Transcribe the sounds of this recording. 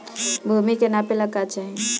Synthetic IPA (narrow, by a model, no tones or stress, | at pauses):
bʱumikenapelakat͡ʃaĩ